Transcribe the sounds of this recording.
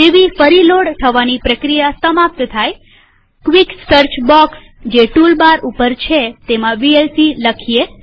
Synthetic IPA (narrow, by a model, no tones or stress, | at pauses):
eʋifəɾiloɽt̪ʰəʋanipɾəkɾijasəmap̚t̪t̪ʰaj | kʋiksəɾt͡ʃbɔks | d͡ʒeʈulbaɾupəɾt͡ʃʰet̪emãʋielsiləkʰie